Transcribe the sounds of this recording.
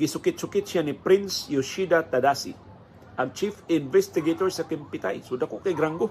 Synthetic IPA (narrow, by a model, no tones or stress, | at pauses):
ɡɪsʊkɪt̪̚sʊkɪt̪̚ʃjanipɾɪnsjoʃid̪at̪ad̪asḭ | ʔaɡ̚t͡ʃifɪnvɛst̪ɪɡet̪oɹsakɪmpɪt̪a̰jsʊdakoʔkajɡɾaŋɡo